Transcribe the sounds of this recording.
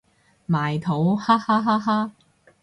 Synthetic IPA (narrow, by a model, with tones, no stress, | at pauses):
maː˨jt̪ʰo˨˥whaː˥haː˥ɦaː˥ɦaː˥